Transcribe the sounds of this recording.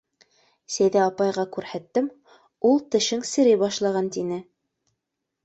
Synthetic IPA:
sæjðæɑpɑjʁɑkʉɾhæt̪ːɘm | ulˠt̪ɤ̆ʃɤŋsɘ̆ɾɘbɑʃlˠɑʁɑnt̪inɘ

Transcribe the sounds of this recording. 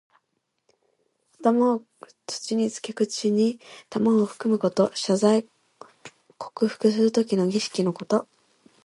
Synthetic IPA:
at̪ama | t͡sɨ̥t͡ɕiɲ̟it͡sɨ̥ke̞kɯ̟t͡ɕiɲ̟it̪amaːɸɯ̟̥kɯ̟mɯ̟ko̞t̪o̞ɕazai | kʰo̞̥kɯ̟ɸɯ̟̥kɯ̟s̬ɨɾɯ̟t̪o̞k̬ʲino̞ɡʲiɕi̥kʲino̞ko̞t̪o̞

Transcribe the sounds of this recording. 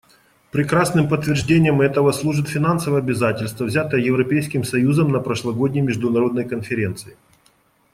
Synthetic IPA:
pɾʲɪkɾasnɨmpət̪ːvʲɪrʐdʲenʲɪjəmɛt̪əvəslˠuʐɨt̪fʲɪn̪ansəvəjɐbʲɪzatʲɪlʲst̪vəvzʲat̪əjəjɪvɾɐpʲejskʲɪmsɐjuzəmnəpɾəʂlˠɐɡo̞dʲnʲɪjmʲɪʐd̪ʊnɐɾo̞d̪nəjkənfʲɪɾʲe̞nt̪sɨɪ

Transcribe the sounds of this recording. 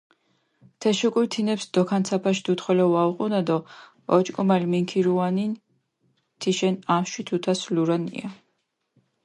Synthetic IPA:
t̪ʰɛʃukʼuɾt̪ʰinɛpsd̪̥ɔkʰant̪sʰapʰaʃid̪ut̪ʰχɛlɛwauqʼunad̪ɔ | ɔt͡ʃʼkʼumalmiŋkʰiɾuanin | t̪ʰiʃɛnaʃwit̪ʰut̪ʰasluɾanḭa̰

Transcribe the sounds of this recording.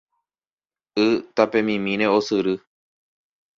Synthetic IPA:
ɨt̪apẽ̞mĩmĩɾeosɨɾɨ

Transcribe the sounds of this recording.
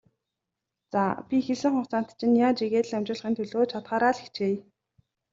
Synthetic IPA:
t͡sa̰pʲixeɮɘ̆ŋχʊχt͡saːnt̪t͡ɕʰɪ̆njaːt͡ɕiɣeːt̪ɮamt͡ɕɪ̆ɮ̆χiːnt̪ʰɵɮoːt͡ɕʰat̪χaːɾaːɮi̥xt͡ɕeː

